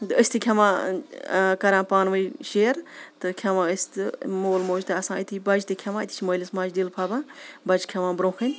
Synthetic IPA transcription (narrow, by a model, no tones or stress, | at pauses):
d̪ɨəsʲt̪ʰɨkʲʰɐmãː | kɐɾãːpaːnʋɨjʃeːɾt̪ɨkʲʰɐʋãːəsʲt̪ɨmoːlmoːd͡ʒt̪ɨɐsãːit̪ʰibɐd͡ʒt̪ɨkʲʰɐmãːit̪ʰi̥t͡ʃʰmɐːlʲismaːd͡ʒdilpʰaːbãːbɐd͡ʒkʲʰɐʋãːbɾõːxɨnʲ